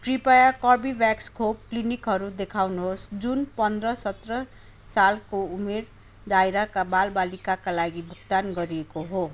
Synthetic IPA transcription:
ʈripajakʌrbibakskʰop̚klinikɦʌɾud̪ekʰawnuɦosd͡zunpʌnd̪rʌsʌt̪rʌ | salkoumer | ɖajɾakabalbalikakalaɡibʱuk̚t̪anɡʌɾiekoɦo

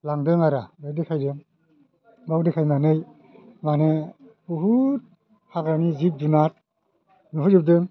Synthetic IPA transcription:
laŋdɯŋaɾabawdɯkʰajdɯŋ | bawdekʰajmanɯj | mane | buɦut̚ | haɡɾanizip̚dunat̚ | nuɦɯzɯp̚dɯŋ

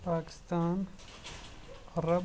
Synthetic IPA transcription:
paːkɪ̥st̪aːn | ɐɾɐb

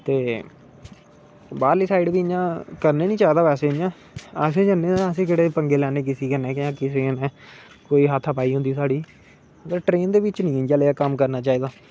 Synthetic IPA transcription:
t̪eː | baːɾliːsaːɪɖʋiːɪɲãːkəɾneːnĩːt͡ʃaːiːd̪aːpɛːseːɲãː | ɛːs̬ẽːd͡ʒəneːəs̬ẽːkeːɽeːpəŋɡeːlɛːneːk̬ɪsiːkənɛ̃ːkãːkɪseːnɛ̃ː | koːiːɦət̪ʰəpaːiːɦʊ̃nd̪iːsaːɖiː | əɡəɾʈɾeːnd̪eːʋɪt͡ʃnĩːd͡ʒjaːleːaːkəmkəɾnaːt͡ʃaːiːd̪aː

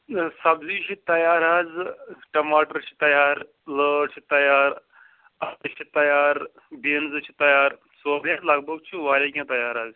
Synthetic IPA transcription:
sɐbziːt͡ʃʰit̪ɐjaːɾaːd͡zʈɐmaːʈəɾt͡ʃʰi̥t̪ɐjaːɾ | ləːʈt͡ʃʰit̪ɐjaːɾ | ɐt̪ɐt͡ʃʰit̪ɐjaːɾ | benzt͡ʃʰit̪ɐjaːɾ | səbjad͡zlɐɡbəɡt͡ʃʰiʋaːɾikʲãt̪ɐjaːɾaːd͡z

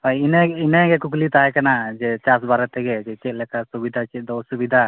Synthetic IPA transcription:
ajinɛinɛɡɛkuklit̪aɦɛkanad͡ʒɛt͡ʃasbaɾat̪ɛɡɛd͡ʒɛt͡ʃɛʔ̚lɛkasubid̪ʱat͡ʃɛt̪̚d̪ɔsubid̪ʱa

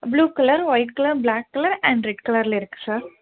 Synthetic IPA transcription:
bluːkɐlɐɾʋɐɪʈ̚kɐlɐɾblaːkːɐlɐɾɛ̃ɳɖɾɛɖkɐlɐɾɪlɪɾɯkːɯ̥saːɾ

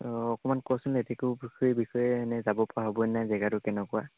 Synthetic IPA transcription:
ɔkɔmankɔsʊnetɛkʊbixɔɛbixɔjɛnɛzabɔpaaɦobɔjnazɛɡatʊkɛnɛkɔwa

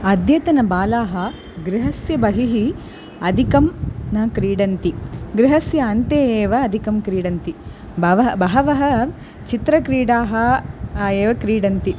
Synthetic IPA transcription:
ɐd̪ʱjɐt̪ɐnɐbaːlaːɦɐ | ɡɾiɦɐsjɐbɐɦiɦi | ɐd̪ʱikɐmnɐkɾiːɽɐnt̪iɡɾɪɦɐsjɐɐnt̪eːeːʋɐːd̪ʱikɐmkɾiːɽɐnt̪i | bɐʋɐbɐɦɐʋɐɦɐ | t͡ʃit̪ɾɐkɾiːɽaːɦɐ | eːʋɐkɾiːɽɐnt̪i

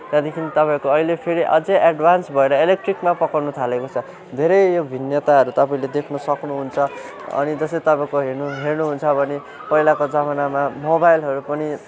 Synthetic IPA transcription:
t̪ʌd̪ekʰinit̪ʌpãĩkoʌilepʰeɾiʔʌ̰d͡zẽʔaɖbʱansbʱʌeɾʌelek̚ʈrikmapʌkʌrnut̪ʰalekot͡sʰʌ | d̪ʱeɾʌjjobʱinjʌt̪aɦʌɾut̪ʌpaĩled̪ekʰnʌsʌknuɦunt͡sʰʌ | ʌ̰nid͡zʌsʌjt̪ʌpãĩkoɦernuɦernuɦunt͡sʰʌbʱʌne | pʌilakod͡zamʌnamamobajlɦʌɾupʌni

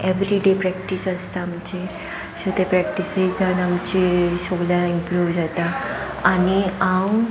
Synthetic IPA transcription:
eʋɾiɖepɾɛkʈisəst̪aːmt͡ɕe | sət̪epɾɛk̚ʈised͡zanamt͡ɕesoɡljaimpɾuʋd͡zat̪a | aniãw

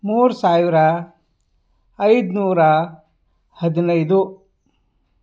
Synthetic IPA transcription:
muːɾusaːʋɾɐ | ɐjd̪nuːɾɐ | hɐd̪inɐjd̪u

